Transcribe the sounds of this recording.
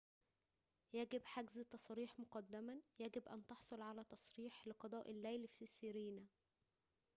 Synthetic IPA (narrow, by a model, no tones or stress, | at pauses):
jæɡɪbħaɡzt̪ɑsˤɾiːħmʊqɑd̪ːæmæjæɡɪbʔæ̰nt̪ɑħsˤolʕalæːt̪ɑsˤɾiːħlɪqɑd̪ˤɑːʔɪlːæjlfisːɪɾiːnæ